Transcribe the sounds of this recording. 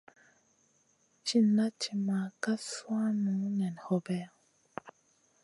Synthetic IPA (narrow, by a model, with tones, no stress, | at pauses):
t͡ʃi˦na˦t͡ʃi˨ma˨ka˦swa˦nũ˨˦nɛ˨n˨hɔ˦bɛ˦˨